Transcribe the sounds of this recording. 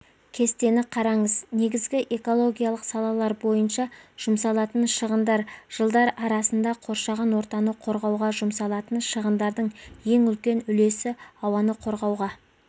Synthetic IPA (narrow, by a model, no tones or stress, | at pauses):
kʲʰe̞st̪e̞nɪqʰɑɾɑɴəzne̞ɡʲɪzɡʲɪʔe̞ko̞lˠo̞ɡʲijalˠəqsɑlˠɑlˠɑɾbo̞jənʃɑʒ̥ʊmsɑlˠɑt̪ənʃəʁənd̪ɑɾʒ̥əlˠd̪ɑɾɑɾɑsənd̪ɑqʰo̞ɾʃɑʁɑnwo̞ɾt̪ɑnəqʰo̞ɾʁɑwʁɑʒʊmsɑlˠɑt̪ənʃəʁənd̪ɑɾd̪əɴje̞ŋʏlkʲe̞nʏle̞sɪɑwɑnəqʰo̞ɾʁɑwʁɑ